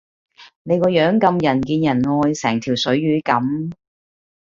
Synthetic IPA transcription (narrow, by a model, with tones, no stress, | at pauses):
ne˨˧jkɔː˧jœː˨˥ŋkɐ˧mjɐ˨˩nkiː˧njɐ˨˩nŋɔː˧jsɛː˨˩ŋt̪ʰiː˨˩wsɵ˨˥ɥɥyː˨˧˥kɐ˨˥m